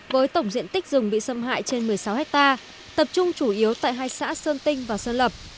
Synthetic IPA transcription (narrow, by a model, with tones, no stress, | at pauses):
vəː˨˦jt̪ə˧˩wŋ͡mzḭ˧˨ənt̪i˦˥k̟̚zʊ˨˩ŋ͡mɓḭ˧˨sə˧mɦa̰ː˧˨jt͡ɕe˧nmɨ˨˩əjsa˨˦whɛ˦˥k̚t̪aː˧ | t̪ə˨˩p̚t͡ɕʊ˧ŋ͡mt͡ɕu˧˩ʔi˨˦əwt̪a̰ː˧˨jɦaː˧jsa̰ː˧˥səː˧nt̪ï˧ŋ̟vaː˨˩sə˧nlə˨˩p̚